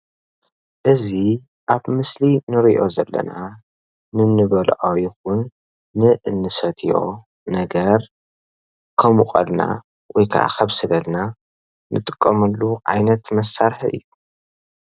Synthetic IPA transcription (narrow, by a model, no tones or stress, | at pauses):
ʔɨzi | ʔaβmɨslinɨɾiʔo̞zɐlːɐ̰na | nɨnɨβɐlʕojɪxʊnː | ɨʔɨnːɨsɐt̪ʰijo̞̰ | nɐɡɐɾ | kʰɐmukʼɐ̰lna̰ | wɔjkʰaʔa̰xɐβsɨlɐlna | nʔɨt̪ʼɨ̥kʼːɐmɐlːuʔajnɐt̪mɐsːaɾħʔɨ̰jːu